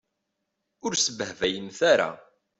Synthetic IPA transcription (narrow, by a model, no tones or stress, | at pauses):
ʊɾsəbəhvæjənθaɾa̰